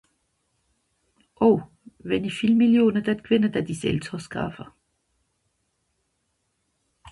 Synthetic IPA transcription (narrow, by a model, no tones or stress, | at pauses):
ʔɔʊ | ʋenifilmiljo̝ːnəd̥æd̪̥kʰʋenəd̥̪æd̥̪isḛlt͡sʰɒsɡ̥ɑ̰fɐ